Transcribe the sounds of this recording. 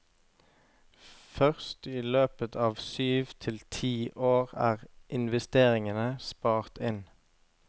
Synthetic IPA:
fœʁst̪iːløːpət̪ʰɑːʋsyːʋt̪ʰɪlt̪ʰiːʔoːʁæ̰ːʁʔɪnʋɛst̪eːʁɪŋənəspɑːʁt̪ɪn

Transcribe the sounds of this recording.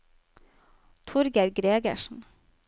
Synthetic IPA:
t̪ʰʊɾɡəɾɡɾeːɡə̰ʃn̩

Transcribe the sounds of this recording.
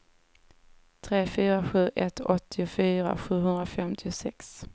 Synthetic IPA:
t̪ʰɾeːfyːɾaɧʉ̟ːʔɛt̪ɔt̪ʰːɪʊfyːɾa̰ɧʉ̟ːɦɵnd̪ɾafɛmt̪ʰɪʊsɛks

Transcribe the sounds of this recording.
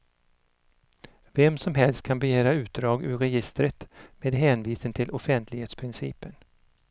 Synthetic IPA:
vɛmːsɔmɦɛlst̪̚kʰanbɛjeːɾaʉ̟ːt̪̚d̪ɾɑːɡʉ̰ɾɾɛjɪst̪ɾət̪meːd̪ɦɛːnviːsənt̪ʰɪlʔɔfɛnt̪ʰlɪɡheːt̪spʰɾɪnsḭːpən

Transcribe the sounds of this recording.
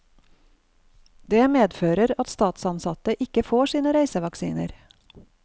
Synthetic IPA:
d̪eːmeːd̪føːɾəɾɑt̪st̪ɑːt̪sɑnsɑt̪əʔɪkəfoːʃiːnəɾæɪsəʋɑksḭːnə̰ɾ

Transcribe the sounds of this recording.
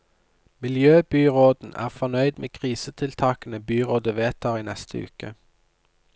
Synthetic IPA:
mɪljøːbyːʁoːd̪̥n̩ʔæ̰ːʁfɔnœʏd̪mḛːkʰʁiːsət̪ʰɪlt̪ʰɑːkənəbyːʁoːd̪əʋeːt̪ʰɑːʁiːnɛst̪ʰəʉ̰ːkə

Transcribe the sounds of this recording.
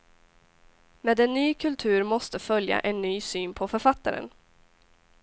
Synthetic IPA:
meːd̪ɛnːyːkʰɵlt̪ʰʉ̟ːɾmɔst̪əfœlja̰ʔɛnːyːsyːnpʰɔfœɾfat̪ːaɾə̰n

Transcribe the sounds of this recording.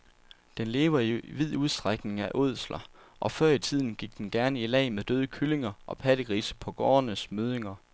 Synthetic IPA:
d̥enle̝ːʋɐiʋið̰ˠuð̞ˠsd̥ʁaɡ̥ne̝ŋæʔoð̞̰ˠslɐ | ʔɒ̽fɶɐ̰it͡sʰið̞̰ˠn̩ɡ̥iɡ̥̚d̥enɡ̥æɐnəilɛ̰ɪmeðd̥øːð̞ˠəkʰyle̝ŋɐʔɒ̽pʰæd̥əɡ̥ʁiːsə̥pʰɒ̽ɡ̥ɒːnəsmøðˠeŋɐ

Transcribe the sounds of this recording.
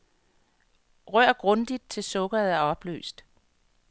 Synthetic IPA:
ʁɶɐ̰ɡ̥ʁɔ̽nd̥id̥̚t͡sʰe̝lsɔ̽ɡ̥ɐð̩ˠæɐɒ̽b̥lø̰ːsd̥

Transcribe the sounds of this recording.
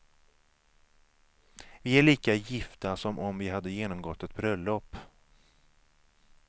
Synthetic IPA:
vɪæɭiːkajɪft̪asɔmʔɔmvɪɦad̪ːəjeːnɔmɡɔt̪ːɛt̪̚bɾœlːɔpː

